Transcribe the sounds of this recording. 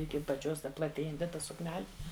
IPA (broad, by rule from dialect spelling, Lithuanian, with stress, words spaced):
ɪkʲɪ ɐpɐˈt͡ʃʲoːs ˈtɐ plˠɐˈtʲeːjɛnʲtʲɪ ˈtɐ sʊkˈnʲæːlʲɪ